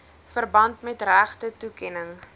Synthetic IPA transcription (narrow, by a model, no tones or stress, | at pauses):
fərbɐntmɛtræχtətukɛnəŋ